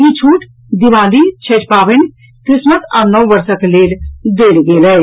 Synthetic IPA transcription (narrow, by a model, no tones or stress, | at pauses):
it͡ʃʰuːʈ | d̪iʋãːlit͡ʃʰet͡ʃpaːʋɪn | kɾɪsmət̪anɔwʋɐɾsəkleːɾd̪eːlɡeːlɛ